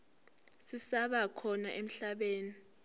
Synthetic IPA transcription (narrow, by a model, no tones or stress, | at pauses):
sisaɓakʰɔna̰ʔem̩ɬaɓeːni